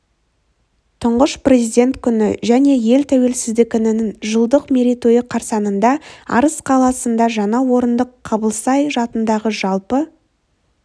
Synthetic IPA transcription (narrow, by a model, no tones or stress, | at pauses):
t̪ʰʊɴʁəʃpre̞zijd̪e̞nt̪kʲʰʏnɪʒæne̞je̞lt̪ʰæwe̞lsɪzd̪ɪkʲɪnɪnɪŋʒəlˠd̪əqme̞ɾit̪o̞jəqʰɑɾsɑnənd̪ɑɑ̰ɾəsqʰɑlˠɑsənd̪ɑʒɑɴɑwo̞ɾənd̪əqʰːɑbəlˠsɑjʒɑt̪ənd̪ɑʁəʒɑlˠpə